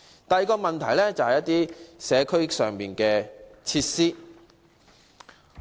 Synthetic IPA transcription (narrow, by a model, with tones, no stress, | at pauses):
t̪ɐ˨jkɔː˧mɐ˨nt̪ʰɐ˨˩jlɛː˥t͡sɐ˨whɐ˨jɐ˥t̪iː˥sɛː˨˧kʰɵ˥ɥsœː˨ŋmiː˨nkɛː˧t͡sʰiː˧˥t̚siː˥